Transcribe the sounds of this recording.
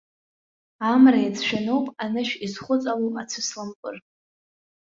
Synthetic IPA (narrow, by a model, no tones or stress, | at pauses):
amrajad͡zʰʃᶣanowpʼanɨʃᶣizχʷʊt͡sʼalowpʼat͡sʰɨslamkʼʊr